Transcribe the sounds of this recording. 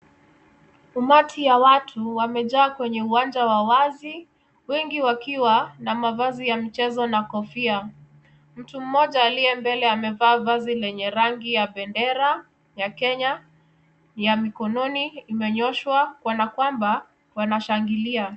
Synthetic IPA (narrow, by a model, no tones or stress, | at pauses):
umatʰijawatʰuwamɛʄaːkwɛɲɛuwand͡ʒawawazi | wɛŋɡiwakiwanamavazijamit͡ʃɛzɔnakɔfia | m̩tum̩mːɔʄaːliɛmbɛlɛamɛvaːvazilɛɲɛɾaŋɡijaɓɛndɛɾa | jakɛɲa | jamikɔnɔniːmɛɲɔʃwakwɔnakwamba | wanaʃaŋɡilia